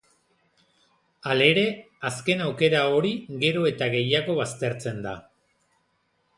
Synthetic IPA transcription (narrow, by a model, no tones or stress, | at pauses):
ale̞ɾe̞ | aske̞nawke̞ɾao̞ɾiɣe̞ɾo̞e̞t̪aɣe̞jaɣo̞βast̪e̞ɾt͡se̞nd̪a